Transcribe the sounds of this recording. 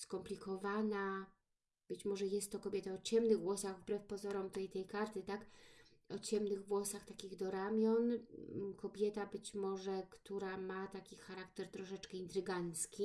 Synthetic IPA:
skɔmplʲikɔvana | b̥ɘt͡ɕmɔʐɛjɛst̪ːɔkɔbʲjɛt̪aɔt͡ɕɛmnɘɣɡwɔsaɣvbɾɛfpɔzɔɾɔmt̪ɛjt̪ɛjkaɾt̪ɘt̪ak | ɔt͡ɕɛmnɘɣvwɔsaxt̪akʲiɣd̪ɔɾamʲjɔnkɔbʲjɛt̪abɘt͡ɕmɔʐɛkt̪uɾamat̪akʲixaɾak̚t̪ɛɾt̪ɾɔʂɛt͡ʂkɛint̪ɾɘɡant̪skʲi

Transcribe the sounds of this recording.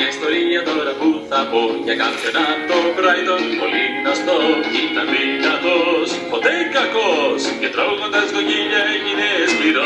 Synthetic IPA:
ɐist̪o̞ɾiɐt̪o̞ɾɐpuθɐpoʝɐkɐpçonɐt̪okɾɐjðonpolinɐst̪oit̪ɐminɐt̪os | po̞t̪ekɐkoscet̪ɾɐvuɣond̪ɐskociʎɐeɲinezmiɾo

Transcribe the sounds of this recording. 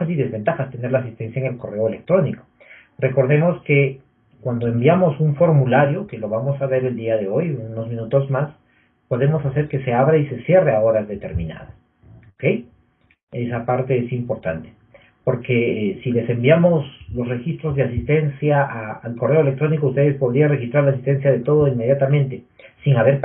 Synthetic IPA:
asiðe̞zβe̞nt̪axast̪e̞ne̞ɾlas̬ist̪e̞nsjaeŋe̞lko̞re̞oe̞le̞k̚t̪ɾo̞niko̥ | re̞ko̞ɾðe̞mo̞ske̞ | kwand̪o̞e̞mbjamo̞suɱfo̞ɾmulaɾjo̞ke̞lo̞βamo̞saβe̞ɾe̞ld̪iaðe̞o̞junozmĩnut̪o̞zmas | po̞ðe̞mo̞sase̞ɾke̞se̞aβɾeise̞sje̞reao̞ɾazðe̞t̪e̞̰ɾmĩna̰ðas | oke̞j | esapaɾt̪e̞esimpo̞ɾt̪ant̪e̥ | po̞ɾkesile̞se̞mbjamo̞slo̞sre̞xist̪ɾozðeasist̪e̞nsjaaːlko̞re̞o̞elek̚t̪ɾo̞nikoust̪e̞ðespo̞ðɾianrexist̪ɾaɾlasist̪e̞ns̬jaðe̞t̪o̞ðoinme̞ðjat̪amẽnt̪e̞ | siŋaβe̞ɾ

